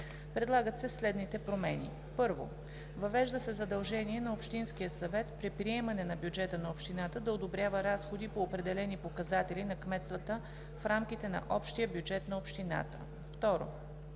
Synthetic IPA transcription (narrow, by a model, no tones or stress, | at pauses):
pɾɛd̪lˠaɡət̪sɛslɛd̪nit̪ɛpɾomɛnḭ | pɤɾvo̰ | vɐvɛʒd̪əsɛzɐd̪ɐlˠʒɛniɛnɐopʃt̪insk̟ijəsɐvɛt̪pɾɛpɾiɛmɐnɛnɐbjud͡ʒɛt̪ənɐopʃt̪inat̪əd̪ɐod̪obɾjavəɾasxod̪ipoːpɾɛd̪ɛlɛnipokɐzat̪ɛlinɐkmɛt̪st̪vət̪ə | fɾamk̟it̪ɛnɐ̰ʔɔpʃt̪ijəbjud͡ʒɛt̪nɐopʃt̪ina̰t̪ə̰ | ft̪ɔɾo̰